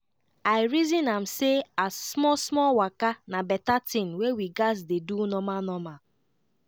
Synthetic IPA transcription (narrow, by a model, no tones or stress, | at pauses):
aɪɾizinam̩seasmɔsmɔwakanabɛtatin̩wewiɡazdedunɔmanɔma